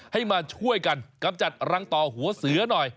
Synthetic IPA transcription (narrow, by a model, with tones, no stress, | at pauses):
ha˥˩jmaː˧t͡ɕʰu˥˩əjka˧nka˧mt͡ɕa˨˩t̪̚ɾa˧ŋt̪ɔː˨˩hu˨˩˦ɐsɯ˨˩˦ɐnɔ˨˩j